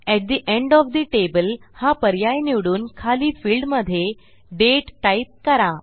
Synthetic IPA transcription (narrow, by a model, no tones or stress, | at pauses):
ɛʈ̚d̪iʔẽɳɖɔfd̪iʈebəlhapəɾjajniʋɽuːnkʰaliːfiːlɖməd̪ʱje | ɖeʈːajt̪̚kəɾa